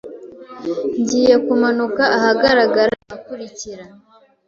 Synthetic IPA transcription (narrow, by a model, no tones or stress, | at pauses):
ɲɟiːje̞kumanukaʔahaɡaɾaɡaɾaʔakuɾiciɾa